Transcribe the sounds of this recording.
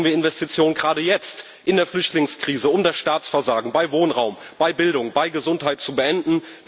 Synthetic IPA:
viɐɪnvɛstit͡sjoːnənɡʁaːdəjɛt͡st | ʔɪndeːɐflʏçtlɪŋskʁ̥iːzəʊmdasʃtaːt͡sfɛɐzaːɡŋ̩baɪvoːnʁaʊmb̥aɪbɪldʊŋb̥aɪɡəzʊnthɦaɪtt͡subəʔɛndn̩v

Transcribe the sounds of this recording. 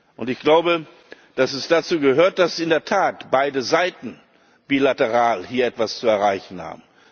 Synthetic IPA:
ʔʊntɪçɡ̥laʊbə | d̥asɛsd̥at͡suːɡəɦøːɐt̚d̥asiɪndeːɐtʰaːtb̥aɪdəzaɪtn̩ | b̥iːlatəʁaːlhiːɐʔɛtv̥ast͡suɛɐʁaɪçn̩ha̰ːbm̩

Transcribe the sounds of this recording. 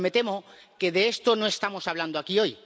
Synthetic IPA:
me̞t̪e̞mo̞ke̞ðe̞est̪o̞no̞e̞st̪amo̞saβland̪oakio̞j

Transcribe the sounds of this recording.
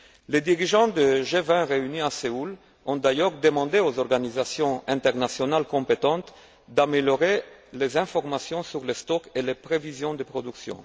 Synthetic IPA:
led̪iʁiʒɑ̃d̪əʒevɛ̃ʁeyniaseul | ɔ̃d̪ajœʁd̪əmɑ̃d̪eozɔʁɡanizasjɔ̃ɛ̃nt̪ɛʁnasjonalkɔ̃pet̪ɑ̃t̪ | d̪ameljɔʁelezɛ̃fɔʁmasjɔ̃syʁlest̪ɔkelepʁevizjɔ̃d̪əpχɔd̪yksjɔ̰̃

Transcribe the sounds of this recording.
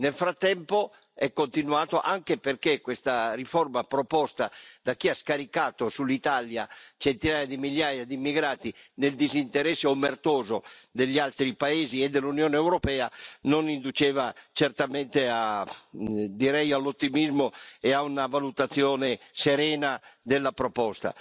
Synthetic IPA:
nelfɾat̪ːɛmpo | ɛkːont̪inuaːt̪oʔaŋkeperkekːwest̪arifɔrmapɾopɔst̪ad̪akːiaskaɾikaːt̪osulːit̪aljat͡ʃɛnt̪inaːjad̪imiʎːaːjad̪imːiɡɾaːt̪ineld̪izint̪eɾɛsːeomːert̪ɔːzod̪eʎːialt̪ɾipaeːziɛd̪ːelːunjɔːneːwɾopɛːanonind̪ut͡ʃɛːvat͡ʃɛrt̪amɛnt̪ea | d̪iɾɛjalːot̪ːimizmoeaunavalut̪at̪sːjɔːneseɾɛːnad̪elːapɾopɔst̪a̰

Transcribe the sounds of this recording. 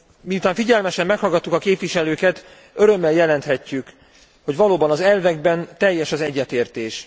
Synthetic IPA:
miut̪aːɱfiɟɛlmɛʃɛmːɛkhɒlɡɒt̪ːukɒkeːpʋiʃɛløːkɛt̪ | øɾø̞mːɛljɛlɛnt̪hɛcːyk | ho̞ɟʋvɒloːbɒnɒzɛlvɛɡ̚bɛnt̪ɛjːɛʃɒzɛɟːɛt̪eːrt̪eːʃ

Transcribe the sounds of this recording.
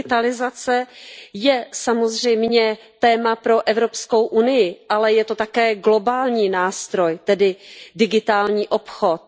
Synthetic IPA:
ɪt̪alɪzat͡sɛjɛsamo̞zr̝ɛjmɲɛ | t̪ɛːmapɾo̞ʔɛvɾo̞psko̞wʔunɪjɪʔalɛjɛt̪o̞t̪akɛːɡlo̞baːlɲiːnaːst̪ɾo̞jt̪ɛdɪdɪɡɪt̪aːlɲiːʔo̞pxo̞t̪̚

